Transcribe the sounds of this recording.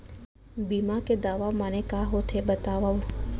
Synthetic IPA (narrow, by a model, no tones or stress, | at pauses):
biːmaked̪aːʋamanẽkaːɦoːt̪ʰebət̪aːʋau